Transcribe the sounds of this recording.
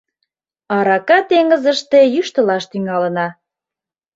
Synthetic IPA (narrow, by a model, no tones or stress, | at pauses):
ɑɾɑkɑt̪eŋə̆zə̆ʃt̪ejyʃt̪ə̆lɑʃt̪yŋɑlə̆nɑ